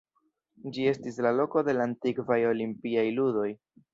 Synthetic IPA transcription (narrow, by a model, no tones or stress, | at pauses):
d͡ʒie̞stislalo̞ko̞de̞lantikvajo̞limpiajludo̞j